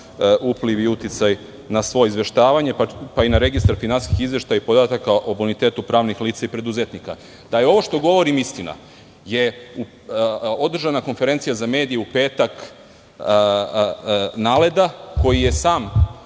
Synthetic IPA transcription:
upliʋiut̪it̪saj | nasʋo̞jizʋe̞ʃt̪aːʋaɲe̞papainaɾe̞ɡist̪aɾfinanskixizʋe̞ʃt̪ajaipo̞d̪aːt̪akaʔobunit̪e̞ːt̪upɾaːʋnixliːt̪saipɾe̞d̪uzet̪nika̰ | d̪̥ajeo̞ʋo̞ʃt̪o̞ɡo̞ʋo̞ɾimist̪ina̰ | je̞u | o̞d̪r̩ʒanako̞nfe̞ɾe̞nt̪sijazame̞ːd̪ijeupe̞ːt̪ak | naːle̞d̪ako̞jije̞saːm

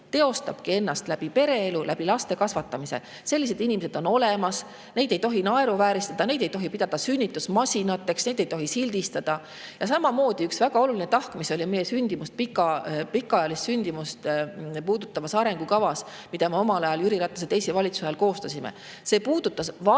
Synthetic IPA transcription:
t̪e̞o̞st̪ɑb̥kie̞nːɑst̪læb̥ipe̞ɾe̞elulæb̥ilɑst̪e̞kɑsvɑt̪ːˑɑmisḛ | se̞lʲːise̞d̪inimese̞d̪̥o̞no̞le̞mɑs | ne̞jd̪e̞jt̪o̞ɦinɑe̞ɾuvæːɾist̪ɑd̪ɑne̞jd̪e̞jt̪o̞ɦipid̪̥ɑd̪̥ɑsynʲːit̪ːˑusmɑsʲinɑt̪ːˑe̞ksne̞jd̪̥e̞jt̪o̞ɦisilʲd̪̥ist̪ɑd̪̥ɑ | jɑsɑmɑmo̞ːd̪̥iyksvæɡ̥ɑo̞lulinet̪ɑhkmiso̞lʲime̞jːesynʲd̪̥imust̪̚pikːɑpikːˑɑɑjɑlist̪synʲd̪̥imust̪puːd̪̥ut̪ːˑɑvɑsɑɾe̞ŋɡ̥ukɑvɑs | mid̪̥ɑmeo̞mɑlɑjɑljyɾiɾɑt̪ːˑuset̪e̞jsevɑlʲit̪suseɑlko̞ːst̪ɑsʲimḛ | se̞ːpuːd̪̥ut̪ːˑɑsvɑ

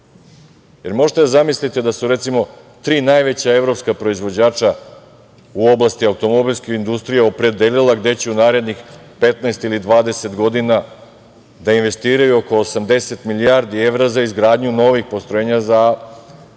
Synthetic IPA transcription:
je̞ɾmo̞ʒet̪ed̪azamislit̪ed̪asuɾe̞t̪simo̞ | t̪ɾiːnajʋet͡ɕae̞ʋɾo̞pskapɾo̞izʋo̞d͡ʑaːt͡ʃa | uo̞blˠast̪iaut̪o̞mo̞bilʲskeind̪ust̪ɾijeo̞pɾe̞d̪elilˠaɡd̪e̞t͡ɕeunaːɾe̞d̪nix | pe̞t̪naest̪ilid̪ʋaːd̪e̞se̞t̪ɡo̞d̪ina | d̪ainʋe̞st̪iːɾajuoko̞ːsamd̪e̞se̞t̪milijaɾd̪ie̞ʋɾazaizɡɾaːd̪ɲuno̞ʋixpo̞st̪ɾojeɲaza

